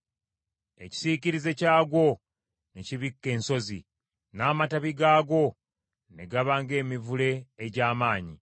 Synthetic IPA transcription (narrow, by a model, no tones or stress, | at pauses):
e̞̰ci̥siciɾize̞caːɡo̞ | neciβikːe̞ːnso̞zḭ | naːmataβiɡaːɡo̞ | nḛɡaβaːŋɡe̞ːmivule̞ːɟaːmaːɲi